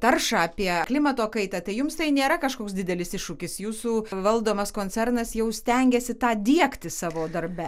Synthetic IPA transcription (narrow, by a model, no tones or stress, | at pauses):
t̪ɐrʃɑːɑːpʲiɛklʲɪmɐt̪oːkɐɪt̪ɑt̪ɐɪjʊmst̪ɐɪnʲeːɾɐkɐʃkoːksd̪ʲɪd̪ʲɛlʲɪsɪʃʃʊkʲɪsjuːsuːʋɐlˠd̪oːmɐskoːnʲt͡sʲɛrnɐsjɛʊsʲt̪ʲɛŋʲɡʲɛsʲɪt̪ɑːd̪ʲiɛkt̪ʲɪsɑːʋoːd̪ɐrbʲɛ